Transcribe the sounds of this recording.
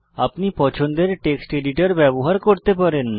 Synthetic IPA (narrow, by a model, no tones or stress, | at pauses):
apnipɔt͡ɕʰond̪eɾʈeksʈeɖiʈaɾbɛboɦaɾkoɾt̪epaɾen